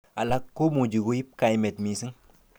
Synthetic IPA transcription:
a˨la˦kːo˦mu˨d͡ʒi˨ɡu˦ji˦p̚ka˨jme˨tmi˨si˦ŋ

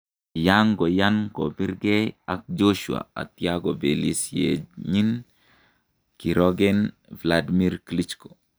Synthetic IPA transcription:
jaŋɡɔ˨ja˦nko˨bi˦ɾɡɛ˦a˨k̚d͡ʒo˦ʃua̰˨a̰˨t̪jaɡɔ˨be˨li˨sjḛɲi˦n | ki˨ɾɔɡɛ˦n | vladimi˦ɾklit͡ʃko

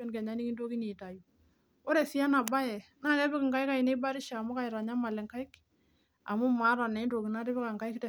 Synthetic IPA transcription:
ɛ˦nkɛ˨ɲa˦ni˦ki˦ndo˦ki˦ni˨ta˨ju˨ | ɔ˦ɾɛ˨sɪ˦a˦na˨ba˦jɛ˨naː˦kɛ˦bɪ˦kɪ˨ŋɡa˦ɪ˦ka˦ɪ˨ne˦ba˦ɾɪ˦ʃaː˨mʊ˦ka˨ɪ˨ɾa˨ɲa˦ma˨lɛ˨ŋka˦ɪ˦k | a˨mʊ˦ma˨˦ɾa˨nɛ˨ɪ˦ndo˨ki˨na˦ɾe˦bɪ˦ka˨ŋka˦ɪ˦ktɛ˨

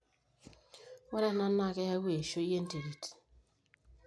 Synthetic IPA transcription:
wɛ˦ɾɛ˦na˦na˦˨kɛ˦ja˦we˨ʃo˦e˦n̩˦te˨ɾi˨t

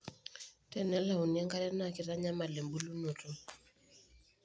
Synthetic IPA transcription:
tɛ˨nɛ˦la˦˨u˨nia˦ŋka˦ɾɛ˦na˨ki˨ɾa˦ɲa˦ma˨le˨mbu˦lu˦no˨to˦

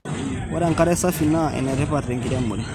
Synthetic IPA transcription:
wa˦ɾa˨ŋka˦ɾɛ˦sa˦fi˨na˦ɛ̰˨nɛ˨ɾɛ˦pa˨ɾe˨ŋɡi˨ɾa˦mːu˨ɾɛ˦

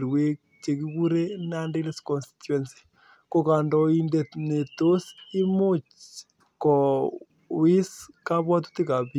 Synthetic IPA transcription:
ɾwe˦k̚ | t͡ʃe˨ki˦ku˦ɾe˦na˦ndi˦lskɔ˨nsti̥tu˦ɛ˨nsi̥˨ | ko˨ka˨ndɔ˨i˨nde˨t̪ne˨to˦si˦mu˦t͡ʃ | kɔ˨ | wɪ˦ska˦bwɔ˦t̬u̥˦t̪i˦ka˨pi˦

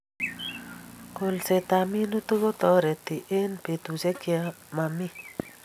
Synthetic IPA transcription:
ko˨lse˨t̪a˨mi˦nu˦t̪u˦ko˦t̪ɔ˦ɾɛ˨t̪i˨ʔe˦npe˨t̪u˨se˦kja˦ | ma˨mi˦

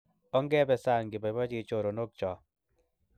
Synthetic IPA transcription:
ɔ˦ŋɡɛ˦bɛ˨sa˦˨ŋɡɪ˨ba˨ba˦d͡ʒi˦˨˦t͡ʃo˨ɾo˨no˦k̚t͡ʃɔ˨

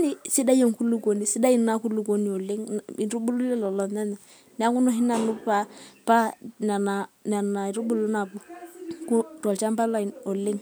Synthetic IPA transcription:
ni˨sɪ˦da˦jo˨ŋku˦lu˦ko˨ni˨sɪ˦da˦i˦na˦ku˦lu˨ko˦ni˨o˨lɪ˦ŋi˨ɾu˦bu˦lu˦lɛ˦lɔ˨lɔ˨nɛ˦nɛ˨ | nɛ˦a˦kʊ˦no˦ɦɪ˦na˨nʊ˦pa˦pa˦na˨na˨na˨na˨ɾu˦bu˦lu˦na˨bu˨kʊ˦tɔ˨lt͡ʃa˦mba˦la˦˨ɔ˨lɪ˦ŋ

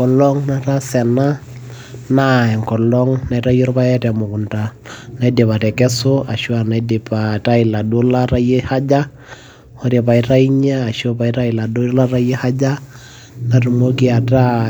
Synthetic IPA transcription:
kɔ˨lɔ˦ŋna˦ta˦sɛ˨na˦ | na˦ɛ˨ŋkɔ˨lɔ˦ŋna˨i˨˦ta˦jɔ˦ɾpa˦jɛ˦tɛ˨mʊ˨kʊ˨nta˨na˦i˦de˨pa˨tɛ˨kɛ˦so˦a˨ʃu˦a˨na˨˦de˨pa˨ta˦i˨la˨do˦la˦ɾa˦je˦ha˦d͡ʒa˦ | hɔ˦ɾe˨pa˨i˦ta˦i˦ɲaː˦˨ʃo˦pa˨i˦ta˦i˨la˨do˦la˦ɾa˦je˦ha˦d͡ʒa˦ | na˨tu˨mo˦ki˦a˨ta˦

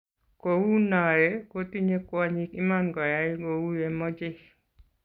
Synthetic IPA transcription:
ko˨wu˦na˨jɛko˦ti˦ɲe˦kwa˦ɲi˦ki˦manɡɔ˨ja˨iɡo˨wu˦je˨mɔ˦d͡ʒɪ˦

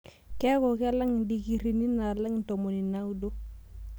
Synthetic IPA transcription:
kɛ˦kɔ˨kɛ˦la˦ŋ˨di˨ki˨ɾi˨ni˦na˨la˦ŋ˨n˨to˨mo˨ni˨na˦u˦do˦

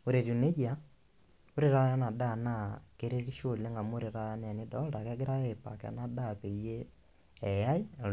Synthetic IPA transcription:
o˨ɾe˨ɾu˨ne˦d͡ʒia˨ | o˦ɾeɾa˦na˦na˨da˦˨na˦˨keɾe˦ɾi˦ʃole˦ŋɡa˨mo˦ɾe˨ɾa˦n˦a˨ne˦dɔ˦da˨kɛ˦ɡe˦ɾa˦epa̰˨kɛ̰na˦da˦pe˨jeː˦˨ | ja˦i˦

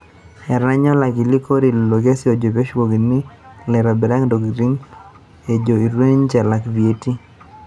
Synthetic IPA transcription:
ɛ˨ɾa˦ɲɔ˦la˨ɡi˨li˦ko˦ɾi˨o˨ɡe˦sjo˨d͡ʒo˨pe˦ʃwo˨ɡi˨nɪ˦lɛ˨ɾa˨bɛ˨ɾa˦ŋdo˨ɡɾi˦ŋ | e˨d͡ʒo˨i˨ɾwe˦ɲt͡ʃɛ˨la˨kvi˨e˦ti˦

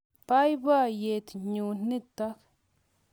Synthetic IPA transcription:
pa˦jba˦je˨t̪ɲuː˨ni˦t̪ːa˦k

